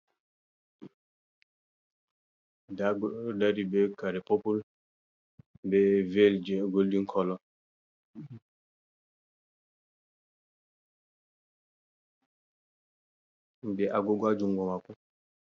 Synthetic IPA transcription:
daɡdaɾibɛkaɾɛpopul | bɛveld͡ʒɡoldiŋkʰɔlɔ | ndɛʔaɡoɡad͡ʒuŋɡɔmaku

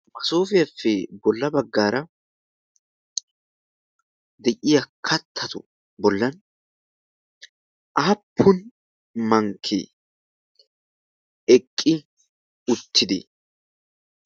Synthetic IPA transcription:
mɐsoːfɪjɐfːɛbɔlːɐbɐɡːaːɾɐ | d̪ɛʔɪjɐkʰɐt̪ʰːɐt̪ʊ | bɔlːɐn | ʔaːpʰːʊn | mɐŋkʰːḛ | ɛkʼːɪ | ʊt̪ʰːɪd̪ḛ

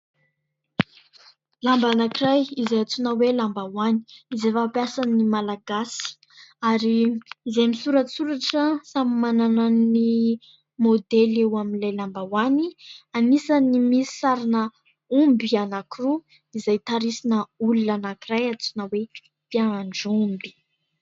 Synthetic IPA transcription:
lambanakiɾajizajat͡sunawelambawani̥izefapjasanimalaɡasi̥ | aɾiːzemisuɾasuɾaʈ͡ʂəsamimananani | mod̪elewaminlajlambawanianisanimisi̥saɾinə | umbianakiru | izajt̪aɾisinəulunanakiɾajat͡sunawe | piaɳɖ͡ʐumbi̥

